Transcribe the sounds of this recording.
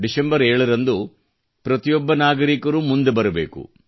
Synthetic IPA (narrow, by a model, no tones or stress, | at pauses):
ɖisembɐɾeːɭɐɾɐnd̪u | pɾɐt̪ijɔbːɐnaːɡɐɾikɐɾumund̪ebɐɾɐbḛːkṵ